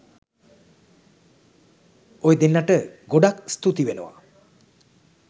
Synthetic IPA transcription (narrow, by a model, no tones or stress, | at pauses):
ojd̪inlaʈəɡoɖakst̪ut̪iʋenoʋa̰